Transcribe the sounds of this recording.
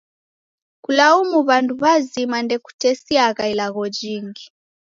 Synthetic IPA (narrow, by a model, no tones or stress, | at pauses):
kulaumuβanduβazimandɛku̥tɛsiaɣailaɣɔd͡ʒiŋɡi